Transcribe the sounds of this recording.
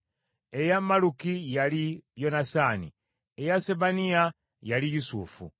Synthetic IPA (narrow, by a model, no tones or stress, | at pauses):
e̞jamːalukijalijo̞nasaːni | ejaseβania | jalijusuːfṵ